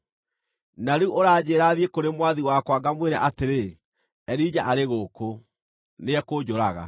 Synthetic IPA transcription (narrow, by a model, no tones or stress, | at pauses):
naɾeuʔoɾaːd͡ʑeːɾaðiekoɾemwaðiwakwaɡamweɾɛʔateɾe | ɛɾid͡ʑaʔaɾeɣoːko | neɛkod͡ʑoɾaɣa̰